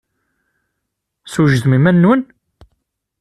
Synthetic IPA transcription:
suʒəðmimænːwən

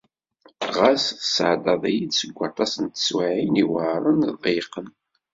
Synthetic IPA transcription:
ʁassʕd̪ɑðˤæjid̪səɡʷːɑt̪ˤɑsənt̪ə̥swaʕiniwɾˤənðˤiqən

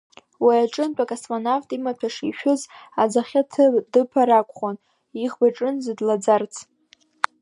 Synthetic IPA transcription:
wiaʈ͡ʂʼɨnpʷʼakʼasmanovtʼimapʰaʂiʃᶣʊzad͡zaχʲatʰdɨpʰaɾakʷʼχon | iʁbaʈ͡ʂʼɨnzɨdlad͡zart͡sʰ

